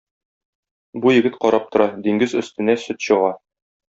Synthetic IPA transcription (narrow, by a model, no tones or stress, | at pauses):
bujɘ̆ɡɘt̪qɒɾɑp̚t̪ŏɾɑd̪iŋɡɘzɵ̆st̪ɘ̆næsɵt̪ɕɤ̆ʁɑ